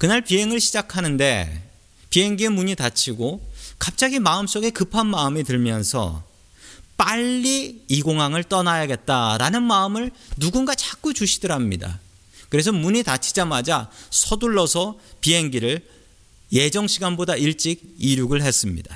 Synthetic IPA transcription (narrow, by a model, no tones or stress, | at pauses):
kɯnaɭpiɦe̞ŋɯɭɕʰid͡ʑakʰanɯnde̞̰ | piɦe̞ŋɡiemuɲitat͡ɕʰiɡokap̚t͡ɕ͈aɡimaɯms͈oɡe̞kɯpʰanmaɯmitɯɭmjʌnsʰʌ̰ | p͈aʎːiiɡoŋɦaŋɯɭt͈ʌnajaɡe̞t̚t͈aɾanɯnmaɯmɯɭnuɡunɡat͡ɕak͈ut͡ɕuɕʰi̥dɯɾamɲḭda̰ | kɯɾe̞s̬ʰʌmuɲitat͡ɕʰid͡ʑamad͡ʑasʰʌduɭːʌsʰʌpiɦe̞ŋɡiɾɯɭ | je̞d͡ʑʌŋɕʰiɡanbodaiɭt͡ɕ͈iɡ̚iɾjuɡɯɭɦe̞s͈ɯmɲḭda̰